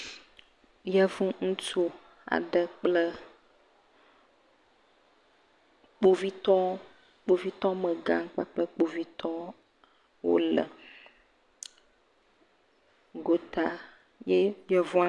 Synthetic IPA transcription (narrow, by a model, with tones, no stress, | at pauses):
jɛ˦vũ˦ŋũ˦t͡ʃo˦ | a̰˨ɖɛ˨k͡plə˦ | k͡po˦vi˦t̪ɔ̃˦ | k͡po˦vi˦t̪ɔ̃˦mə˨ɡã˦ŋ˦k͡pa˦k͡pə˦k͡po˨vi˦t̪ʰɔ˦ | wo̰˦lɛ̰˨ | ɡo˦t̪a˨ | je˦jɛ˦vũ˦a˦